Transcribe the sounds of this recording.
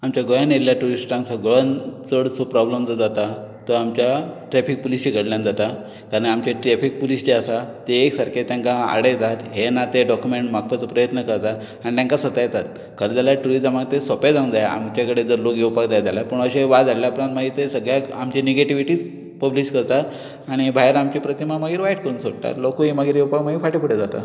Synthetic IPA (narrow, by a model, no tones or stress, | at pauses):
amt͡ɕjaɡojanjelljaʈuɾisʈãnsəɡɭənt͡səɽsopɾɔbləmd͡zəd͡zat̪at̪əamt͡ɕjaʈɾɛfik̚pulist͡ɕeɡʱəɽljãnd͡zat̪a | kaɾəɳamt͡ɕaʈɾɛfik̚pulisd͡ʑeasat̪eːksaɾket̪jãŋkaa̰ɽet̪at̪ɦenat̪eɖɔkjumeɳʈmak̚pət͡səpɾəjət̪nəkəɾt̪a | aɽ̃it̪jãŋkasət̪ajt̪at̪̚ | kʰəɾəd͡z̪alaʈuɾid͡zəmaɡt̪esəped͡zaũnd͡zajaa̰mt͡ɕjakəɽed͡zəɾlokjewpakd͡zajd̪alapəɳəɕeʋad͡zaɽljapɾant̪maɡit̪esəɡɭjakamt͡ɕeneɡeʈiʋiʈiːt͡s | pəbliɕkəɾt̪at̪ | aɽ̃ibʱajəɾamt͡ɕepɾət̪imaməɡiːɾʋaiʈ̚kəɾuːnsoɽt̪a̰ɾlokoɦeməɡiːɾjewpakməɡiːfaʈipuɽed͡zat̪a̰